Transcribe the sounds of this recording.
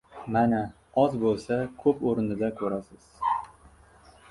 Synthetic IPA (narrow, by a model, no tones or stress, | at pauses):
mana | ɒzbolˠsakʰɵpoɾɪnɪd̪akʰɵɾasɪz̥